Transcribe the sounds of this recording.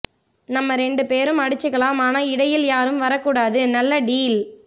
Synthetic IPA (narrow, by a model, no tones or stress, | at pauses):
nɐmːɐɾɛɳɖɯpeːɾɯmɐɽɯt͡ʃːɯɣɐɭaːmaːnaːɪɽɐjɪljaːɾɯmʋɐɾɐkːuːɽaːðɯnɐlːɐɖiːl